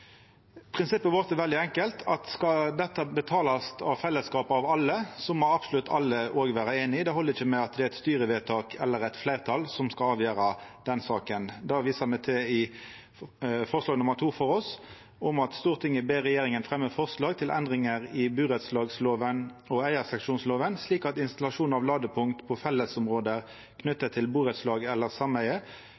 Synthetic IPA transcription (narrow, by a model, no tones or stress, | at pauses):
pʰʁɪnsɪpːəʋɔʁt̪əʋɛld̪ɪɛŋkəlt̪ʰɑt̪skɑd̪ɛt̪ːəbət̪ʰɑːlɑst̪ʰɑʋfɛlːəskɑːpɑʋɑlːəsɔmɔɑbsʊlʉt̪ːʰɑlːəʔoːɡʋæːɾəeːnɪd̪ɛɦɔlːəɾɪçːəmɛɑt̪̚d̪ɛæɾɛt̪st̪yːɾəʋɛːt̪ʰɑːkʰɛlːəʁɛt̪flæɪʁt̪ʰɑlsɔmskɑlɑːʋjøːɾɑd̪̥ɛnsɑːkənd̪ɑːʋiːsəʁmɛt̪ʰɪɪ | fɔʁslɑːɡnʊməʁt̪ʰuːfɔɾɔs | ɔmɑt̪st̪uːʁt̪ʰɪŋəbeːɾɛjeːɾɪŋənfʁɛmːəfɔʁslɑːɡt̪ʰɪlʔɛ̰nd̪ʁɪŋəʁɪbʉːʁət̪slɑːɡsloːʋən | ɔæɪəʁsɛkʂuːnsloːʋənsliːkɑt̪ɪnst̪ɑlɑʂuːnɑʋlɑːɡ̪əpʰʊŋkt̪pʰɔfɛlːəsʊmʁoːd̪ə | kʰnʉt̪ːət̪ʰɪlbuːɾət̪slɑːɡɛlːəʁsɑmæɪə